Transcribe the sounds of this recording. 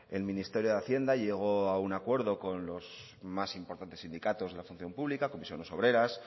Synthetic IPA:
e̞lmĩnist̪e̞ɾjoðeaθje̞nd̪aʎe̞ɣ̞o̞aunakwe̞ɾðo̞ko̞nlo̞z | masimpoɾt̪ant̪e̞sind̪ikat̪o̞zðe̞lafunθjo̞mpuβlikako̞misjone̞so̞β̞ɾe̞ɾas

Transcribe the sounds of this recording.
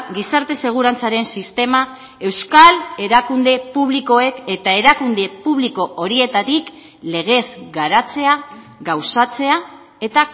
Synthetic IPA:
ɡisaɾt̪e̞se̞ɣ̞uɾant͡saɾe̞nsist̪e̞ma | e̞wskale̞ɾakund̪e̞puβ̞liko̞e̞ke̞t̪ae̞ɾakund̪e̞puβliko̞ʔoɾie̞t̪at̪ik | le̞ɣ̞e̞zɡaɾat͡se̞a | ɡawsat͡se̞a | e̞t̪a

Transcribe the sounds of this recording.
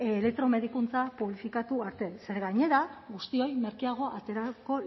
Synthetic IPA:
le̞k̚t̪ɾo̞me̞ðikunt͡sapuβlifikat̪uaɾt̪e̞se̞ɾɣajɲe̞ɾaɣust̪io̞jme̞ɾkiaɣ̞o̞ʔat̪e̞ɾako̞

